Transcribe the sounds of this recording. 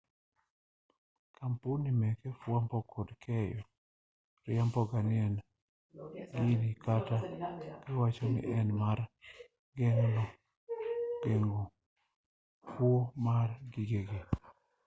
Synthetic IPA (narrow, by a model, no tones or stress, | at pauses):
kʰampunimɛkefwampɔkʰodkʰɛjɔ | ɾɪampɔɡanɪɛn | ɡinikatakɛwat͡ʃɔmɪ̰ʔɛnmar | ɡɛŋnɔ | ɡ̥ɛŋɡo | fwomarɡiɡeɡe